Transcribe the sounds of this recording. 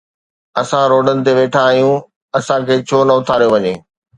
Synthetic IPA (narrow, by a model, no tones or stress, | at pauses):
ɐsãɾoːɖənɪ̆t̪̬eʋeːʈʰaːɦijũ | ɐsãkʰeːt͡ɕʰoːnɐʊt̪ʰaːɾijoʋɐɲeː